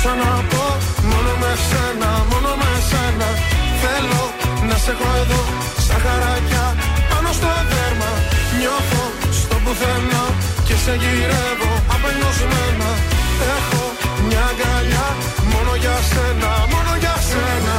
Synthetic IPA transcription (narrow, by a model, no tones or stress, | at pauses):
sɐnɐpo̞ | mo̞no̞me̞senɐmo̞nomese̞nɐθe̞lo̞ | nɐsexo̞eðo̞ | st̪ɐxɐɾɐcɐpɐno̞st̪o̞ed̪eɾmɐɲo̞θo̞ | st̪o̞buθeno | ceseʝiɾevo̞ɐpenozmenɐexo̞ | mɲɐɡɐʎɐ | mo̞no̞ʝɐsenɐmo̞no̞ʝɐsenɐ